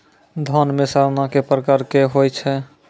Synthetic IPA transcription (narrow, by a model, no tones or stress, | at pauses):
d̪ʱɔnmesəɾnakepɾəkaɾkeɦojt͡ʃʰɛ